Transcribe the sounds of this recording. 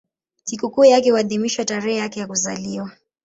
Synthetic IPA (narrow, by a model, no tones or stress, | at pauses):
sikukuːjakɛhuaðimiʃwataɾɛhɛjakɛjakuzaliwa